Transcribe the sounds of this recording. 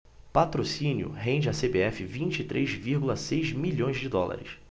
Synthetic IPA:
pat̪ɾosĩnjʊ̰ɦẽd͡ʒɪɐsebeɛfɪvĩnt͡ʃit̪ɾʔezviɾɡulɐsejzmiʎõj̃zd͡ʒɪd̪ɔla̰ɾɪs

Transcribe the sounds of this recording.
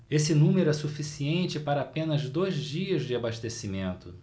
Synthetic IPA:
esɪnũmeɾʊɛsufisiẽnt͡ʃɪpaɾɐaːpẽnɐzd̪ojzd͡ʒiɐzd͡ʒɪabaʃt̪esimẽnt̪ʊ

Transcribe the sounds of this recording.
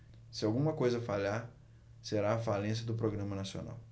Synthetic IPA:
sɪawɡũmɐkojzɐfaʎaɾ | seɾaːfalẽs̬jɐd̪ʊpɾoɡɾɐ̃mɐnasio̰na̰w

